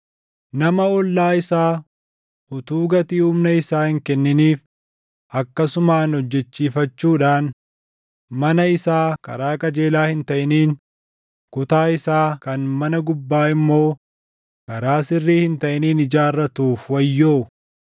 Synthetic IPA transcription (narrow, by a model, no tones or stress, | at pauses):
nɐmɐɔlːaːɪsaː | ʊt̪uːɡɐt̪iːʊmnɐɪsaːhɪŋkɛnːɪniːf | ʔɐkːɐsʊmaːnhɔd͡ʒːɛt͡ʃːiːfɐt͡ʃːuːᶑaːn | mɐnɐɪsaːkɐ̰ɾaːkʼɐd͡ʒe̞ːlaːhɪnt̪ɐʔɪniːn | kʊt̪aːɪsaːkɐnmɐnɐɡʊbːaːɪmːo̞ː | kɐɾaːsɪrːiːhɪnt̪ɐʔɪniːnɪd͡ʒaːrːɐt̪uːfwɐjːoː